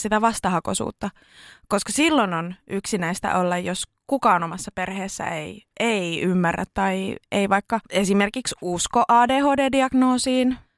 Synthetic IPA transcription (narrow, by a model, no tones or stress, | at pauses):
sit̪æʋɑst̪ɑɦɑkosṵːt̪ːɑ | koskɑsilːononʔyksinæist̪æ̰ʔolːɑjjos | kukɑːonomɑsːɑperheːsːæ̰ḛiʔeiymːærːæ̰t̪t̪ɑieiʋɑikːɑesimerkiksuskoʔɑːdeːhoːdeːdiɑɡ̥noːsiːn